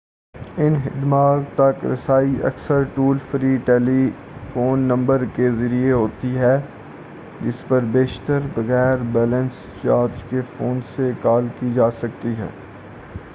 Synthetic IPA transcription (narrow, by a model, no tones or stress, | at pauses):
ɪnɦɪ̰d̪maːɡt̪ɐkɾɐ̰saːiʔɐ̰ksəɾʈuːlfɾiːʈɛːli | foːnːɐ̃mbəɾkezɐɾieɦoːt̪iɦɛː | d͡ʒɪspɐɾbeːʃt̪əɾbɐɣɛːɾbɛːlə̃ns | t͡ʃaːɾd͡ʒkefoːnsekaːlkid͡ʒaːsɐk̚t̪iɦɛ̰ː